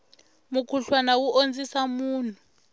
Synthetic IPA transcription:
mukʰuɬwanawuʔond͡zisamuːnʰu̥

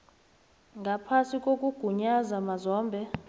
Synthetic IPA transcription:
ŋɡʱapʰasikʼokʼuɡ̥ʱuɲazamazɔːmbʱɛ

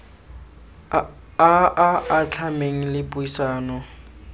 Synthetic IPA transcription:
aaat͡ɬʰameŋ̩lɪbʊisaːnɔ

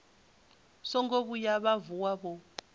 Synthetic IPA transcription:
sɔŋɡoɓujaɓavuwaɓɔ

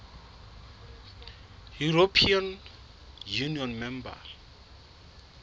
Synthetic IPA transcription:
juɾopʰian | juniɔnmɛmba̰

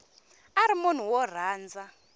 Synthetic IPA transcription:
aɾimun̤uwɔr̤aːnd͡za

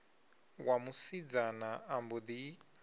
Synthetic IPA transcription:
wamusid͡zanaːmbud̪i

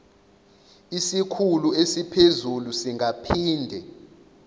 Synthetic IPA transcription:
isikʰuluesipʰezulusiŋʱapʰiːndʱɛ

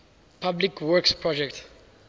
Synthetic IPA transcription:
pʰablikwɔkspʰɹɔd͡ʒɛk̚t

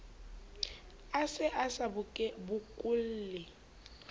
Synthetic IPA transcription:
asɪʔasabʊkʼɛbʊkʼʊl̩lɪ

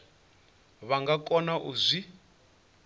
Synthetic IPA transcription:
βaŋɡakʼɔnaʔuzʷi

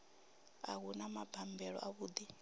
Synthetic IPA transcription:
a̰ɣunamab̥ʱambɛɺɔ̰ʔaβuːd̪i

